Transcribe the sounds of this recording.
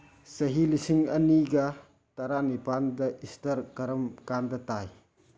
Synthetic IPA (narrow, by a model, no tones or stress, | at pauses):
sɐɦilisiŋɐniɡɐ | tɐɾanipandɐʔistɐɾkɐɾɐmkandɐtaj